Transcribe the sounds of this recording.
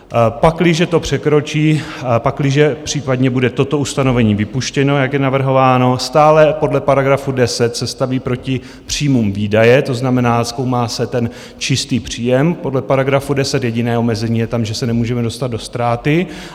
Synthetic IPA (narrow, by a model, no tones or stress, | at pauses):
paklɪʒɛt̪o̞pr̝̥ɛkɾo̞t͡ʃiː | paklɪʒɛpr̝̥iːpadɲɛbudɛt̪o̞t̪o̞ust̪ano̞vɛɲiːvɪpuʃcɛno̞jakjɛnavr̩ɦo̞vaːno̞st̪aːlɛpo̞dlɛpaɾaɡɾafudɛsɛt̪sɛst̪aviːpɾo̞cɪ | pr̝̥iːjmumviːdajɛt̪o̞znamɛnaːsko̞wmaːsɛt̪ɛn | t͡ʃɪst̪iːpr̝̥iːjɛmpo̞dlɛpaɾaɡɾafudɛsɛt̪jɛɟɪnɛːo̞mɛzɛɲiːjɛt̪amʒɛsɛnɛmuːʒɛmɛdo̞st̪ad̪̚do̞st̪ɾaːt̪ɪ